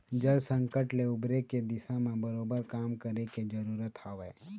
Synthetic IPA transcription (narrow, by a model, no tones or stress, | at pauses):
d͡ʒəlsə̃ŋkəʈleʊbɾeked̪ɪsãmẽbəɾoːbəɾkaːmkəɾeked͡ʒəɾuːɾət̪haːʋeː